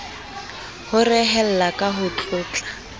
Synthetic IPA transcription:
hʊrɪɦɛl̩lakʼaɦʊt͡ɬʼʊːt͡ɬʼḁ

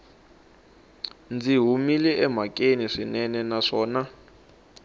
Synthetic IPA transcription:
nd͡ziɦumilɛʔɛmakʼeniʂinɛnɛnaʂɔːna

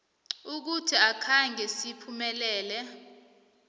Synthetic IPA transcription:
uk̬utʰiakʰaŋɡʱɛsipʰumɛlɛːlɛ

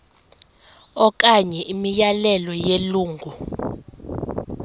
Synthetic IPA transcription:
ɔk̬ʼaɲɛʔimijalɛlɔjeluːŋɡʱu

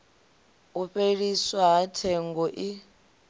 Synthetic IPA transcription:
uɸeɺiswaɦatʰɛŋɡɔʔi

